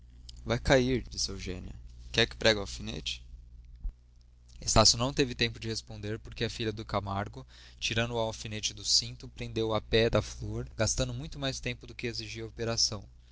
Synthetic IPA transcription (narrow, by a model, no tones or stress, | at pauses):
vajkaiɾd͡ʒisɪewʒḛ̃nḭɐ̰kɛkɪ̥pɾɛɡɐafinḛt͡ʃɪ̥ | est̪asjʊnɐ̃w̃t̪evɪt̪ẽmpʊd͡ʒɪhespõnd̪eɾpoɾkeɐfiʎɐd̪ʊkamaɾɡʊ | t͡ʃiɾɐ̃nd̪ʊawafinet͡ʃɪd̪ʊsĩnt̪ʊpɾẽnd̪ewɐpɛd̪ɐfloɾɡast̪ɐ̃nd̪ʊmũj̃t̪ʊmajst̪ẽmpʊd̪ʊkɪeziʒiɐopeɾasɐ̃w̃